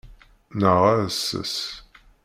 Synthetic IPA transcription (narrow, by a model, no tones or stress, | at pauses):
nəʁæsːə̰s